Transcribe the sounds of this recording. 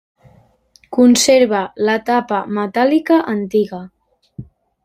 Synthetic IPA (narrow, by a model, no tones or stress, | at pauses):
kunseɾβ̞ələt̪apəmət̪alikəʔənt̪iɣə